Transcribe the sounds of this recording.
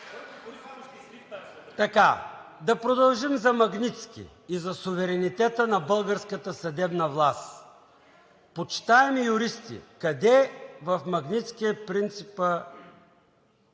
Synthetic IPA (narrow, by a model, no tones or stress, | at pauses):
t̪ɐka | d̪ɐpɾod̪ɐlˠʒimzɐmɐɡnit̪skḭːzɐsuvɛɾɛnit̪ɛt̪ənɐbɤlˠɡəɾskət̪əsɐd̪ɛbnɐvlˠast̪ | pot͡ʃi̥t̪aɛmijʊɾist̪ḭkɐd̪ɛvɐfmɐɡnʲit̪skiəpɾint̪sipə